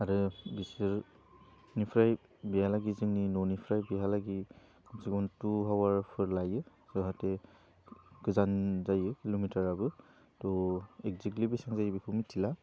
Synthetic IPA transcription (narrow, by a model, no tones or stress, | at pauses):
aɾɯbisɯɹ | nipʰɾaj | biɦalaɡizɯŋninɔnipʰɾajbiɦalaɡi | kʰɔnsiɡɔntuɦawaɹpʰɯɹlajɯ | z̥ɔɦatɛ | ɡɯzanzajɯkilomitaɹabɯ | tɔɛk̚ziklibisaŋzajbikʰumitʰila